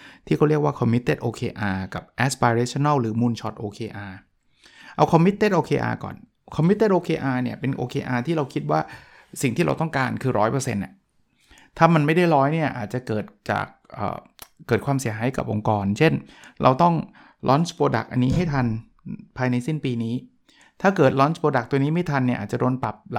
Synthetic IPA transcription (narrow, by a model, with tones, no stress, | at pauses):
t̪ʰiː˥˩kɔ˥˩ɾi˥˩ək̚waː˥˩kʰɔ˧mːi˦˥t̪ːeː˥˩t̪ʔoː˧kʰeː˧ʔaː˧ka˨˩p̚ʔɛ˦˥spaː˧ɾeː˦˥t͡ɕʰo˧na˥˩wɾɯː˩˦muː˧nt͡ɕʰɔ˦˥t̪̚ʔoː˧kʰeː˧ʔaː˧ | ʔa˧wkʰɔ˧mːi˦˥t̪ːeː˥˩t̪ʔoː˧kʰeː˧ʔa̰ː˧kɔ̰ː˨˩n | kʰɔ˧mːi˦˥t̪ːeː˥˩t̪̚ʔoː˧kʰeː˧ʔaː˧ni˥˩ɐpe˧nʔo̰ː˧kʰeː˧ʔaː˧t̪ʰiː˥˩ɾa˧wkʰi˦t̪̚waː˥˩ | si˨˩ŋt̪ʰiː˥˩ɾa̰˧wt̪ɔ˥˩ŋkaː˧nkʰɯː˧ɾɔ̰ː˦˥jpɤː˧sḛ˧nʔa̰˩ | t̪ʰaː˥˩ma˧nma˥˩jda˥˩jɾɔː˦˥jni˥˩ɐʔaː˨˩t̪̚t͡ɕa˨˩kɤː˨˩t̪̚t͡ɕa̰ː˨˩k̚ʔə̰ː˨˩ɤː˨˩t̪̚kʰwaː˧msi˨˩˦ɦaː˩˦jka̰˨˩p̚ʔo̰˧ŋkɔː˧nt͡ɕʰe˥˩n | ɾa̰˧wt̪ɔ˥˩ŋ | lʔɔ̰˦˥nspoː˧da̰˨˩k̚ʔa̰˧nːiː˦˥ɦa˥˩jt̪ʰa˧n | pʰaː˧jna˧jsi˥˩npiː˧niː˦˥ | t̪ʰaː˥˩kɤː˨˩t̪̚lɔː˦˥nspoː˧da˨˩k̚t̪u˧niː˦˥ma˥˩jt̪ʰa˧nːi˥˩ʔaː˨˩t͡ɕa˨˩doː˧npa˨˩p̚l